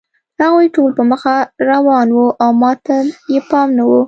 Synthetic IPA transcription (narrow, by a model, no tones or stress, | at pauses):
haɣojʈolpəməxaɾawɑnwuʔawmɑt̪ajepɑmnawu